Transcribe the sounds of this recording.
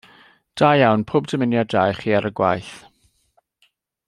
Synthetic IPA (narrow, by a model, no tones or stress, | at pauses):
d̥ajawnpʰʊːbdʰəmɪnjadajχiːaɾəɡwa̰jθ